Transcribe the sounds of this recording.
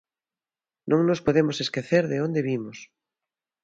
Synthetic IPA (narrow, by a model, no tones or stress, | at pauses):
nʔõŋnospoðemoseskeθeɾðeond̪eβimos